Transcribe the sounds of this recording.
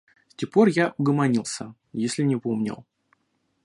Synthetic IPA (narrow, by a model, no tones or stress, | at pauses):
sʲtʲexpo̞rjaʔʊɡəmɐnʲilˠsʲə | jesʲlʲɪnʲɪpomnʲɪ̰lˠ